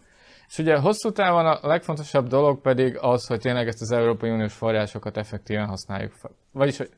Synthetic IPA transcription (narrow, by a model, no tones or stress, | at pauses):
eʃuɟɛɦo̞sːuːt̪aːvonɒlɛkfo̞nt̪o̞ʃɒbd̪o̞lo̞ɡ̚pɛd̪iɡɒsho̞c̚t̪eːnlɛɡɛst̪ɒzɛuɾoːpɒiunijoːʃfo̞raːʃo̞kɒt̪ɛfɛk̚t̪iːvɛnɦɒsna̰ːjːṵkf | vɒɟiʃho̞